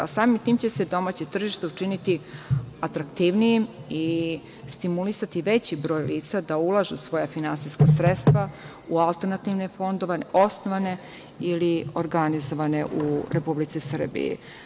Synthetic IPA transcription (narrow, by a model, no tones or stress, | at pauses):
asaːmimt̪iːmt͡ɕe̞se̞d̪o̞mat͡ɕet̪r̩ʒiʃt̪euʈ͡ʂinit̪iat̪ɾakt̪iʋnijimi | st̪imulisat̪iʋe̞t͡ɕibɾo̞ːjliːt̪sad̪aulˠaʒusʋo̞jafinansijskasɾet̪st̪ʋa | ualˠt̪eɾnat̪iʋne̞fo̞nd̪oʋanʔo̞snoʋane̞ | ilioɾɡanizoʋane̞ʔuɾepublit̪sisr̩bḭḭ